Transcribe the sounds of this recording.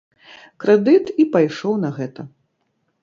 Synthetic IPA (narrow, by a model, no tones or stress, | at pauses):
kɾɛd̪ɨt̪ipajʂɔwnɐɣɛt̪ɐ